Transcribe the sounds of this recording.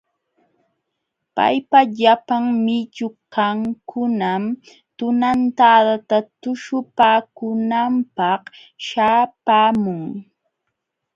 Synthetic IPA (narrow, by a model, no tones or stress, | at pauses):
pa̰jpaʎapaŋmɪt͡ʃʊkaŋkʰʊnam | t̪ʊnant̪aːd̪at̪at̪ʊʃʊpaːkʊnampɑh | ʃaːpaːmʊŋ